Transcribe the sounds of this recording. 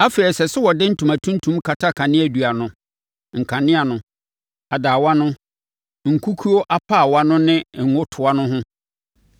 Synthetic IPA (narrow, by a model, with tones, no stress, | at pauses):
a˦fe˨ɾɛ˨sɛ˨sʊ˦wɔ˨dɪ˦n̩˦tʰũ˨ma˨tʰũ˦n˦tʰũ˦mkʰa˨tʰa˦kʰa˨nɪ̃˦æ˨du˨a˨nʊ̃˨ | ŋ̩˨kʰã˨nɪ̃˦a˨nʊ̃˦ | a˨daː˨wa˦nʊ̃˦ | ŋ̩˨kʰu˦kʰu˦o˦ʔa˦pʰa˦˨wa˦nʊ̃˦nɪ̃˦ŋ̩˨ŋʊ̃˦tʰʊ˨a˦nʊ̃˦ɦʊ̃˦